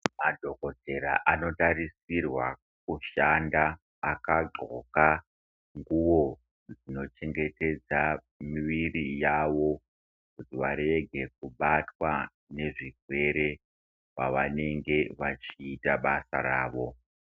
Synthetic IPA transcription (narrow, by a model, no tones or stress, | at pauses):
madʱo̞ko̞te̞ɾa̰ʔano̞taɾisirwa̰ | k̚uʃandaː | kaɡ͡ǃʱo̰ka | ŋɡuʋo̞ | d͡zino̞t͡ʃe̞ŋɡe̞te̞d͡za | miʋirijaʋo̞ | kutiʋaɾe̞ɡʱe̞k̚uɓatwa | ne̞ʐiɡʱwe̞ɾe̞ | wa̰ʋane̞ŋɡe̞ʋat͡ʃiːtaɓasa̰ɾaːʋo̞